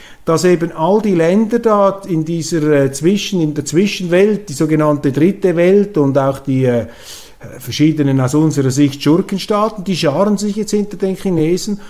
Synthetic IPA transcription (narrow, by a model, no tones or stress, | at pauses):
d̥ɑseːbənʔɑldiːlɛndədaːɪndiːzəɾɛːt͡svɪʃənɪndeːt͡sv̥ɪʃənvɛlt̚d̥iːzoːɡenɑntədʁɪtəvɛltʊndaʊxd̥iːɛ | fɛɐʃiːdənənaʊsʊnzəɾɐzɪçtʃʊrkənʃtaːtn̩d̥iːʃɑːɾənzɪçjɛt͡sthɪntədenχineːzn̩